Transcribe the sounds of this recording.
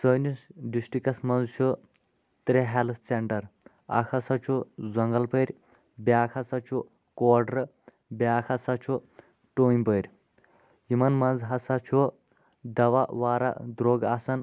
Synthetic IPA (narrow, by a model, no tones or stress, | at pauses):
səːnusɖisʈikɐsmɐnzt͡ʃʰu | t̪ɾeɦelt̪ʰseɳʈɐɾ | a̰kʰɐsɐt͡ʃʰuzɐŋɡɐlpəɾʲ | bjaːkʰɐsɐt͡ʃʰu | koːɖɾ | bʲjaːkʰɐsat͡ʃʰu | ʈoːnʲpəjɾʲ | jimɐnmɐnzɦɐsɐt͡ʃʰu | d̪ɐʋaʋaːɾa̰d̪ɾoːɡaːsɐn